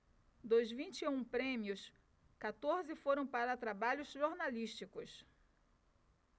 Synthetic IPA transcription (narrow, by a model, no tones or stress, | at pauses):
d̪ozvĩnt͡ʃɪeũpɾẽmjʊs | kat̪oɾzɪfoɾɐ̃w̃paɾɐt̪ɾabaʎʊzʒoɾnaliʃt͡ʃikʊs